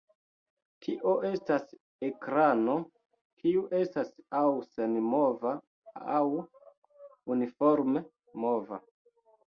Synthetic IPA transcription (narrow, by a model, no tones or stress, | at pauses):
tʰiʔo̞ʔe̞stas | e̞kɾano̞ | kʰiuʔe̞stasawsenmova | aw | unifoɾme | mo̞va